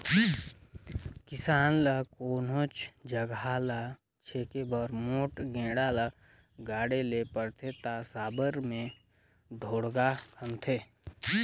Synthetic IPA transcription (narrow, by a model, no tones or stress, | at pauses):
kɪsaːnləkoːnot͡ʃd͡ʒəɡalə | t͡ʃʰeːkebəɾmoːʈɡẽːɽalə | ɡaːɽelepəɾt̪ʰet̪asaːbəɾmẽ | d̪ʱoːɽɡakʰɐmt̪ʰeː